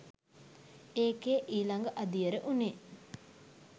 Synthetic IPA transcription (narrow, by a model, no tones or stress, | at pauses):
eːkeːʔiːlɐŋɡəʔɐd̪ijəɾəʔune